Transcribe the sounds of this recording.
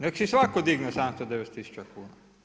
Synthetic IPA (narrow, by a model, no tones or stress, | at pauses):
neksisʋakod̪iɡnusamst̪od̪eʋet̪ːisu̥t͡ʃakuːna